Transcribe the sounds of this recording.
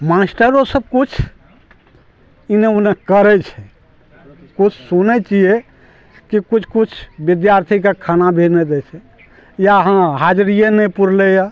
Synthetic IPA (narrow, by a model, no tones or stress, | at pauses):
masʈəɾosəb̚kut͡ʃʰ | ineunekəɾɛt͡ʃʰɛ | kut͡ʃʰsunɛt͡ʃije | kikut͡ʃʰkut͡ʃʰbid̪jaɾt̪ʰikekʰanabʱened̪ɛt͡ʃʰɛ | jaɦãɦad͡ʒɾijenɛpuɾleja